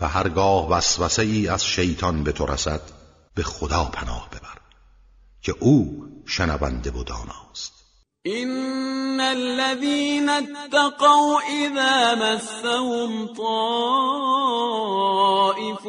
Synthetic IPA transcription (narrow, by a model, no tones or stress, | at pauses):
væɦæɾɡɒːhvæsvæseiːæz̥ʃe̞jt̪ʰɒnbe̞t̪ʰo̞ɾʔæ̰sæd̪̥ | be̞xod̪ɒːpʰænɒ̰ːhb̥e̞bæɾ | cʲʰe̞ʔuːʃenævæ̰nd̪e̞vod̪ɒ̰ːnɒːst̪ | ʔɪnːalːaðiːnat̪ːaqɑwʔɪðaːmasːahʊmt̪ˤɑː | ʔɪf